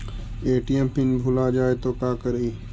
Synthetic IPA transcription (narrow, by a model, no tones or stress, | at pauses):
eːʈijɛmpɪnbʱʊlad͡ʒaːet̪oːkaːkəɾiː